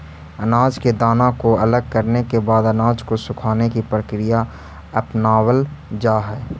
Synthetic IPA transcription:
ənaːd͡ʒked̪aːnãkoɐləɡ̚kəɾnekebaːd̪ənaːd͡ʒkosʊkʰaːnekipɾəkɾija | ɐpnaːwəld͡ʒaːɦɛː

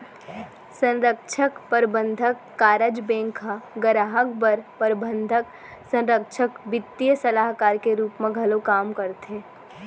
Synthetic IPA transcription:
sə̃nɾəkʃʰəkpəɾbə̃nd̪ʱəkːaːɾəd͡ʒbẽːŋkʰaɡəɾaɦək̚bəɾpəɾbə̃nd̪ʱək | sə̃nɾəkʃʰəkbɪt̪ːijəsəlaːɦkaːɾkeɾuːpmẽɡʱɐlokaːmkəɾt̪eː

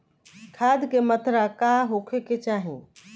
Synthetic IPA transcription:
kʰaːd̪kemət̪ɾakaɦokʰeket͡ʃaːɦĩ

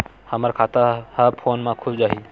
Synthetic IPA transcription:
həməɾkʰaːt̪ahəpʰoːnmãkʰʊbd͡ʒaːɦi

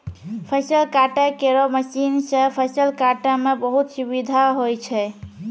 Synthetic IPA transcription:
pʰəsəlkaʈakeɾɔməsinsə̃pʰəsəlkaʈamebəɦut̪subid̪ʱaɦojt͡ʃʰɛ

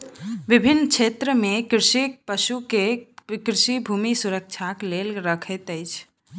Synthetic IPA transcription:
ʋɪbʱinːkt͡ʃʰet̪ɾəmekɾɪʃipəʃukekɾɪʃibʱumisuɾək̚t͡ʃʰaklelɾəkʰɛt̪əɪt͡ʃʰ

